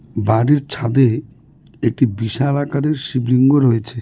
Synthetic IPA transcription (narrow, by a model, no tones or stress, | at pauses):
baɾiɾt͡ɕʰad̪e | ek̚ʈibiʃalakaɾeɾʃibɾiŋɡoɾojet͡ɕʰe